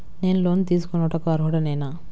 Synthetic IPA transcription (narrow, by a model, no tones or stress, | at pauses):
ne̞ːnloːnt̪iːs̬u̥kɔnɐʈɐkuʋaːɾkuːɽaneːna